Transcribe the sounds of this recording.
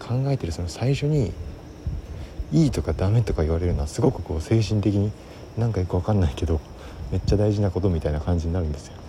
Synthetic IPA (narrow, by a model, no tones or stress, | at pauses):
kʰãŋɡae̞t̪e̞ɾɯ̟so̞nosaiɕo̞ɲ̟i | iːt̪o̞kad̪amet̪o̞kaiβ̞aɾe̞ɾɯ̟noasɨɡo̞kɯ̟ko̞ːse̞ːɕ̬ĩnt̪e̞kʲiɲ̟i | nãŋkajokɯβakanːaike̞d̪o̞ | me̞t͡ɕːad̪aiʑinako̞t̪o̞mʲit̪ainakãɲ̟d͡ʑiɲ̟inaɾɯ̟nd̪e̞sɨ̥jo